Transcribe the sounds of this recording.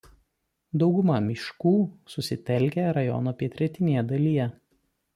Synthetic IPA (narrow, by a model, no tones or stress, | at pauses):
d̪ɒʊɡʊmɐmʲɪʃkuːsʊsʲɪt̪ʲɛlʲˑkʲɛɾɐjɔ̰noːpʲiɛt̪ʲɾʲɛt̪ʲɪnʲejɛd̪ɐlʲijɛ